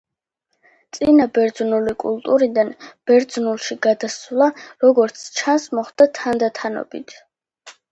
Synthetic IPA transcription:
t̪sʼinabɛɾd̪znulikʼṵlˠt̪ʼuɾid̪anb̥ɛɾd̪znulˠʃiɡ̥ad̪asvlˠaɾɔɡɔɾt̪sʰt͡ʃʰansmɔχd̪at̪ʰand̪at̪ʰanɔ̰bḭt̪ʰ

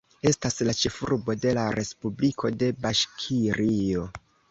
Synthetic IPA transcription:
e̞staslat͡ʃe̞fuɾbo̞de̞laɾʔe̞spublikʰo̞de̞baʃkʰiɾio̞

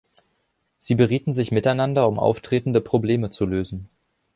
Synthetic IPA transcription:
z̥iːbəʁiːtn̩zɪçmɪtaɪnandɐʊmʔa̰ʊftʁ̥eːtn̩dəpʁ̥obleːmət͡suløːzn̩

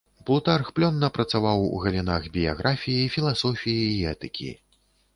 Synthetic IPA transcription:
blˠut̪arxplʲɔnːɐpɾɐt̪savawṵɣɐlʲinaɣbʲija̰ɣɾʔafʲijiifʲilˠasɔfʲijiːɛt̪ɨkʲḭ

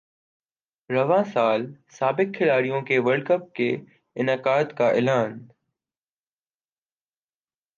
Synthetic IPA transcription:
ɾɐʋãːsaːlsaːbɪkkʰːɪlaːɾijõkʰeːʋəɾɖkəp̚kʰeː | ɪnaːkaːt̪kaːʔɪːlaːn

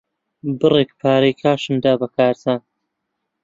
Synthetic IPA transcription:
bɨreːkpʰaːɾejkʰaːʃɨnd̪aːbɐkʰaːɾt̪ʰaːn

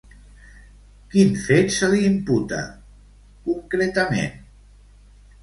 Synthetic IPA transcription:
kinfet̪səliːmput̪ə̰ | kuŋkɾet̪əmḛn

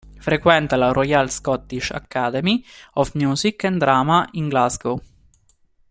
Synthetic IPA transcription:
fɾekwɛnt̪alarʔɔjalskɔt̪ːiʃa̰kːad̪ɛmiɔfmjuːzikːɛnd̪ɾaːmaiŋɡlazɡo

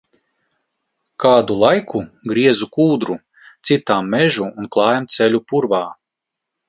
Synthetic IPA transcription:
kaːd̪ulˠajkuɡɾiɛzukuːd̪ɾu | t̪sit̪aːmːɛʒuːnklˠɑːjamt̪sʲɛlʲupuɾvaː

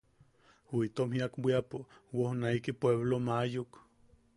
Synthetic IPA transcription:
hiit̪omhiakbʷiapowohnaikipweβlomajok

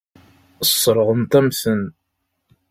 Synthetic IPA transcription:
əsˤːɾˤʁəmt̪æmθən

